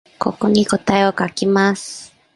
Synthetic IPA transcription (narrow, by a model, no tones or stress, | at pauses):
ko̰koɲikot̪ajokakimas